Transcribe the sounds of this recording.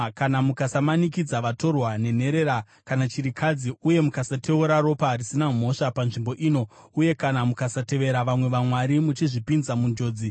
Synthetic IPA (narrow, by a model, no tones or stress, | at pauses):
kanamukasamanikid͡zaʋato̞rwane̞n̤e̞ɾe̞ɾa | kanat͡ʃiɾikʰad͡ziuje̞mukasate̞uɾaɾo̞paɦːrisinam̤o̞ʂapanʐimbo̞ʔiːno̞ | uje̞kanamukasate̞ʋe̞ɾaʋamwe̞ʋamwaɾimut͡ʃiʐipinzamund͡ʒo̞ːd͡zi